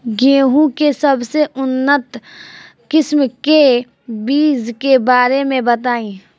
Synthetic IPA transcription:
ɡẽːɦũkesəbseʔʊnːət̪ | kɪsmke | biːzkebaːɾemẽbət̪aːĩː

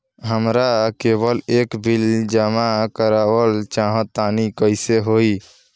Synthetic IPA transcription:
ɦəmɾakebəlekbild͡ʒəmakəɾawəlt͡ʃaɦə̃t̪anikəɪseɦoi

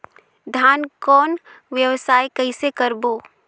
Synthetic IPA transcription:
d̪ʱjaːnkɔːn | ʋjəʋsaːjkəɪsekəɾboː

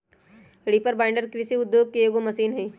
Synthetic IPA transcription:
ɽiːpəɾbaːɪ̃ɳɖəɾkɾɪsiʊd̪joːɡ̚kejoːɡomɐsiːnɦĩː

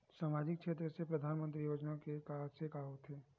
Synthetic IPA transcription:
saːmaːd͡ʒɪkkʃʰeːt̪ɾəsepɾɐd̪ʱaːnmə̃nt̪̬ɾijoːd͡ʒnakekasekaɦot̪ɦeː

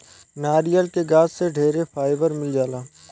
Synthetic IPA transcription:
naːɾijəlkeɡaːzseɖʱeːɾepʰaːɪbəɾmɪld͡ʒaːlaː

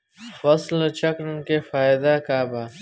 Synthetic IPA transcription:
fəslt͡ʃəkɾənkeːfaːɪd̪aːkaːbaː

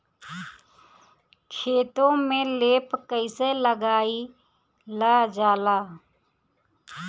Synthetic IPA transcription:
kʰeːt̪õːmẽleːpkəɪseləɡaːi | laːd͡ʒaːlaː

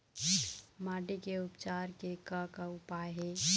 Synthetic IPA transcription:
maːʈekeʊpt͡ʃaːɾkekakaʊpaɦe

